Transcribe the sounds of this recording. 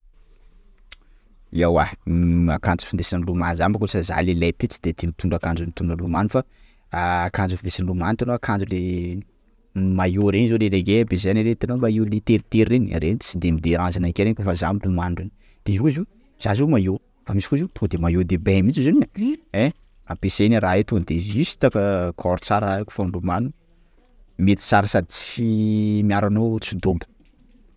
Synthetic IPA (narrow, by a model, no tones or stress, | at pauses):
iawaakand͡zu̥find̪esinilumanzambkusaza̰lelet̪et͡si̥d̪̥et̪init̪uɳɖ͡ʐakand͡zunit̪uɳalumanufaː | kand͡zufid̪esinlumanit̪anoakʰand͡zule | majoɾeɲizoleleɡebezaniɾet̪ianomaiwlet̪eɾit̪eɾiːena̰ɾenit͡sid̪emid̪eɾãzanakeɾenkefazamilumanɖ͡ʐin | d̪̥ekuzi | z̥azimajo | famisi̥kuzit̪od̪emajod̪ebemit͡ʃizinie | apeseniɾaet̪ond̪eisi̥t̪akəkʰɔɾt͡saɾaaeku̥faɳɖ͡ʐumanu | met̪i̥t͡saɾəsad̪it͡si̥imiaɾanot͡sind̪ombə̥